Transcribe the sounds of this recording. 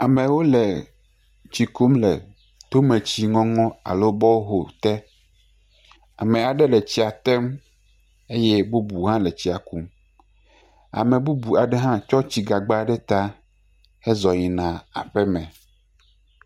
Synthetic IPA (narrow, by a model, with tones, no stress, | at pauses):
a˨mɛ̃˨wo˦lɛ˨ | t͡ɕi˨ku˦mlɛ̰˨ | t̪o˦mẽ˨t͡ɕi˨ŋɔ̃˦ŋɔ̃˦a̰˨lo˦bɔ˦wo˦ɦo˨t̪ɛ˦ | a̰˨mɛ̃˨a˨ɖɛ˦lɛ˨t͡ɕi˦a˨t̪ɛ˦m | e˦jɛ˦bo˦bu˨ɦã˦lɛ˨t͡ɕi˦a˨ku˦m | a̰˨mɛ̃˨bu˦bu˨a˨ɖɛ˦ɦã˦t͡ʃɔ˦t͡ɕi˦ɡa˨ɡ͡ba˦ɖɛ˦t̪a˦ | ɛ˦zɔ˨ɲĩ˨nã˨a̰˨ɸɛ˦mɛ̃˨